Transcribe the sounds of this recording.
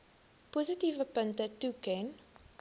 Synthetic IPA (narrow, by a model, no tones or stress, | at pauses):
puzitivəpəntətukɛn